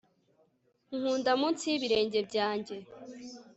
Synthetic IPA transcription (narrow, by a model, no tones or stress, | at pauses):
ŋ̥uːndamunt͡siβiɾe̞ːɲɟe̞bɟaːɲɟe̞